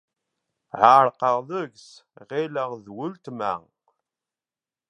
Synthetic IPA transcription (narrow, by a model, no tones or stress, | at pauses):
ʕaɾqəʁðəʝsʁɪləʁðwʊlt̪mæ̰